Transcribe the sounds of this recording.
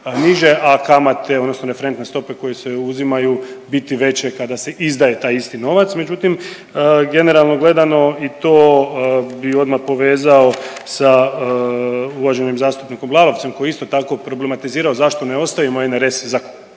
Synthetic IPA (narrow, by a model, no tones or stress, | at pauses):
niʒe̞ʔakamat̪ʰe̞od̪nosno̞ɾe̞feɾe̞nt̪ne̞st̪o̞pe̞ko̞jeseuzimajubit̪iʋe̞t͡ɕe̞kad̪ase̞ʔizd̪aje̞t̪aːjist̪ino̞ʋat̪sme̞d͡ʒut̪im | əɡe̞ne̞ɾalˠno̞ɡle̞d̪ano̞it̪oː | bio̞d̪mapo̞ʋe̞ːzaosa | uʋaʒe̞nimzaːst̪upnikomblˠalo̞ʋt̪se̞mko̞jeist̪o̞t̪ako̞pɾo̞ble̞mat̪iziːɾaozaʃt̪o̞neo̞st̪ajimoeneɾe̞sizako